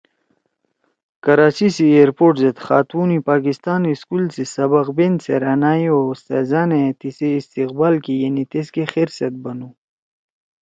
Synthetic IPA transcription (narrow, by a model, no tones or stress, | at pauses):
kɐɾaːt͡ɕisieɾpoːʈzet̪xaːt̪uːnipaːkist̪aːniskulsisɐbɐqbenseɾanaːjost̪ḛzanet̪iseːst̪iq̚baːlkijenit̪eskexeɾsɐt̪̚bɐnu